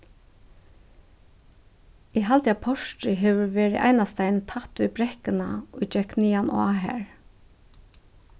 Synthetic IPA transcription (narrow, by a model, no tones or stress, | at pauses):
iːɦɑlt̪japʰɔʃtɾɪɦeːʋʏɹʋeːɾɪ̰ʔæ̰ɪnast̪æɪnt̪ʰɑt̪ʋiːbɾɛkɪna̰ʔɔd͡ʒɛkniːɑnʔɑ̰ːɦæ̰ːɹ